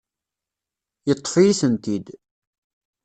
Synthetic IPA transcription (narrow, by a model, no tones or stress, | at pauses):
jət̪ˤːfijisənt̪id̪